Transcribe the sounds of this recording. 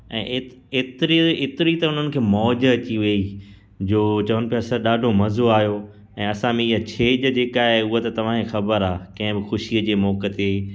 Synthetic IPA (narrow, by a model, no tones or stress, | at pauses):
ɛ̃ːʔet̪ɾiɪt̪ɪɾit̪ɐʊn̤ənɪ̆kʰeːmɔːd͡ʑəɐt͡ɕiʋɐi | d͡ʑoːt͡ɕɐʋənɪ̆pːɐsəɗaːɖʱomɐzoaːɦijo | ɛ̃ːɐsãmẽɪɦat͡ɕʰeːd͡ʑəd͡ʑeːkaːɦeʊɦat̪ɐt̪ɐʋ̤ãkʰexɐbəɾaːkɐ̃ɦɪ̃bɪxʊʃiəd͡ʑeːmɔːkət̪e